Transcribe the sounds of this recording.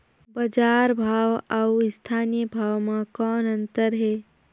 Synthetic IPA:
bəd͡ʒaːɾbʱaːwawɪst̪ʰaːnijəbʱaːwmãkɔːnənt̪əɾɦeː

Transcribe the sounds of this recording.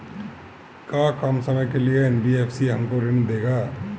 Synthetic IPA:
kaːkɐmsɐməjkelieɛːnbieːpʰsiɦɐmkoɾɪnd̪eːɡaː

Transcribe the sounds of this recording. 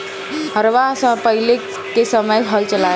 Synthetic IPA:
ɦəɾʋaspəɦile | kesəməjɦəlt͡ʃəla

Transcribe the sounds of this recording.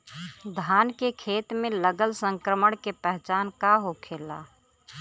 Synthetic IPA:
d̪ʱaːnkekʰeːt̪mẽləɡəlsə̃ŋkɾəməɽkepɛɦt͡ʃaːnkaɦokʰeːla̰ː

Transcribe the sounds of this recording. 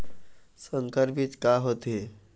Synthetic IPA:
səŋkəɾpit̪kaɦot̪e

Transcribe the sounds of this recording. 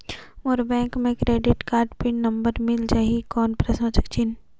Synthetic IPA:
oɾbɛ̃ːŋkmẽkɾeːɖɪʈkaːɾɖpɪɳnɐmbəɾmɪld͡ʒaːɦikɔːnpɾesõːt͡ʃəkt͡ʃin

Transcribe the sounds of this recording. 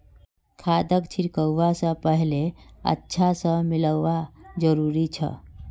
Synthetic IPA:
kʰad̪əkt͡ʃʰiɾkəwːasə̃pəɦleə̰tːʃʰasə̃miləːad͡ʒəɾuːɾit͡ʃʰə̰

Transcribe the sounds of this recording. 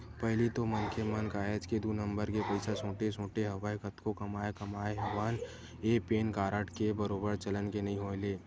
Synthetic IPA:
pɐɦlit̪omɐnkʰemɐnkaːjəd͡ʒked̪uːnɐ̃mbəɾkepɐɪsasõːʈesõːʈeɦɐʋaːekɐt̪kokɐmaːekɐmaːeɦɐʋaːn | eːpeːnkaːɾəʈʰkebɐɾoːbəɾt͡ʃɐlənkenɐɦĩɦoːleː

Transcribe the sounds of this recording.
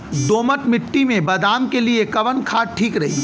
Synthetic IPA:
d̪oːmət̪mɪʈːimẽbɐd̪aːmkeliekɐʋənkʰaːʈʰiːkɾɐɦiː

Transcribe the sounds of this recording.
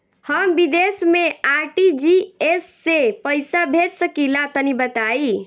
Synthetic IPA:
həmbid̪esmeaɾʈid͡ʒiesːepəjsabʱet̪səkilat̪ənibət̪ai

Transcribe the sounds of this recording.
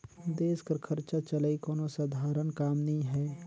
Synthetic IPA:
d̪eːskəɾkʰɐɾt͡ʃat͡ʃəlaikɔːnosɐd̪ʱaːɾənkaːmnɐɦĩɦɛː

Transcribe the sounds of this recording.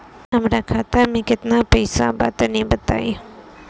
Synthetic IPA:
ɦɐmɾaːkʰaːt̪amẽkɪt̪napɐɪsa̰ba̰ːt̪enɐĩbɐt̪a̰ːi

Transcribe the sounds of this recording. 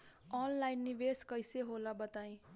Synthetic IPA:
ɔnlajnːiʋeskʌjseɦolabət̪aĩ

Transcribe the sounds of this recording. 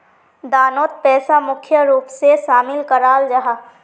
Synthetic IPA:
d̪aːnoːt̪̚pɛːsamʊkʰjəɾuːpseʃaːmɪlkəɾaːld͡ʒaɦaː

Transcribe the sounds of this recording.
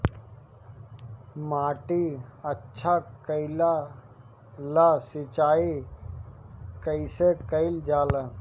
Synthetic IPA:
maːʈiətːʃʰakəɪla | lasɪt͡ʃaːi | kəɪsekəɪld͡ʒaːlə̃

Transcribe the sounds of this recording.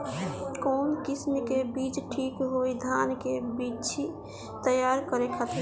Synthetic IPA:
konkisnkebit͡ʃʈʰikɦojd̪ʱankebit͡ʃʰi | t̪əjaɾkəɾekʰət̪ɾ

